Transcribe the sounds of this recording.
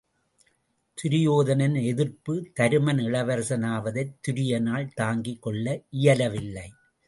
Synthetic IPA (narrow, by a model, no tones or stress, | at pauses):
t̪ʊɾɪjoːðɐnɐnɛðɪrpɯt̪ɐɾɯmɐnɪɭɐʋɐɾsɐnaːʋɐðɐɪt̪ːʊɾɪjɐnaːɭt̪aːŋɡɪkːɔɭːɐʔɪjɐlɐʋɪlːɐɪ